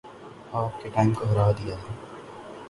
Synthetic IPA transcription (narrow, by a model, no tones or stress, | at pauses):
aːp̚keʈaːɪmkoɦɐɾaɦd̪ijaɦɛː